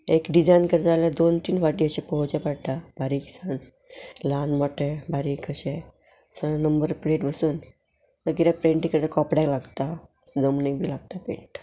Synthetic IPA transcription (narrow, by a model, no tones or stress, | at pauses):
ekɖid͡zajnkəɾt̪alad̪ont̪iːnfaʈiəɕẽpəot͡ɕapaɽt̪abʱaɾiːksəɳ | lanmɔʈebʱaɾiːkʰəɕe | sənəmbəɾpleʈbəsuːn | t̪əɡiɾapɾeɳʈĩkəɾt̪akɔpɽalaɡt̪a | sd̪əmnekbʱiːlaɡ̚t̪apɾḛɳʈ